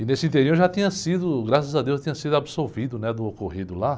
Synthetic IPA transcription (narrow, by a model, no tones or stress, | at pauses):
ɪnesɪĩt̪eɾioɾʒat̪ĩɲɐsid̪ʊɡɾasɐzɐd̪ewst̪ĩɲɐsid̪ʊabisoɾvid̪ʊnɛd̪ʊokoɦid̪ʊla